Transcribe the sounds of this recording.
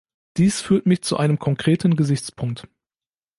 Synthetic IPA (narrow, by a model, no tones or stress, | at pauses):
d̥iːsfyːɐtmɪçt͡suʔaɪnəmkʰɔŋkʁ̥eːtn̩ɡəzɪçt͡spʰʊŋk̚t